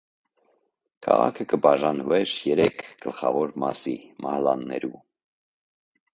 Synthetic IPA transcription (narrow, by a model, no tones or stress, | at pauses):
kʰɑ̰ʁɑ̰kʰəkəbɑʒɑnvɛɾjɛɾɛkʰɡ̥əlχɑvɔɾmɑsimʔɑhlɑnːɛ̰ɾu